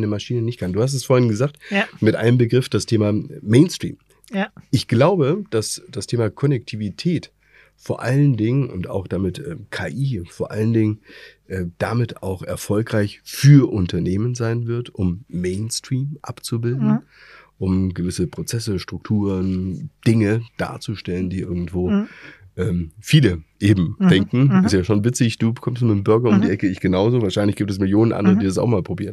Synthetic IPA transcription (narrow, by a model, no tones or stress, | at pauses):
nəmaʃiːnənɪçt̚kʰanduːhas̬tɛsfoːɐhɪnɡəzaːk̚tmɪtʔa̰ɪnəmbəɡʁɪfd̥astʰeːmameɪnstʁ̥ḭːm | ʔɪçɡ̥laʊbəd̥asd̥astʰeːmakʰɔnɛk̚tʰiːvitʰɛːt | foːɐʔaləndɪŋənʔʊ̰nta̰ʊxd̥amɪtʔɛːkʰaːʔiːfoːɐʔa̰ləndɪŋənʔɛːd̥amɪta̰ʊxɛ̰ɐfɔlkʁ̥aɪçfyːɐʔʊntɐneːmənzaɪnvɪɐtʔʊmːeɪnstʁ̥iːmʔa̰pt͡subɪldn̩ʔʊmɡəvɪsəpʁ̥ot͡sɛsəʃtʁ̥ʊk̚tʰuːʁənd̥ɪŋəd̥a̰ːɐt͡suʃtɛləndiːʔɪɐɡŋ̩tv̥oːʔɛːmfiːləʔeːbm̩d̥ɛŋkŋ̩ɪstjaːʃoːnvɪt͡sɪçd̥uːbəkʰɔmstmɪtmbʏɐɡɐʊmdiːʔɛkəɪçɡ̥ənaʊzoːvaɐʃaɪnlɪçɡ̥iːptɛsmɪljoːnənʔa̰ndəʁədiːdas̬a̰ʊxmaːlpʁ̥obiːʁən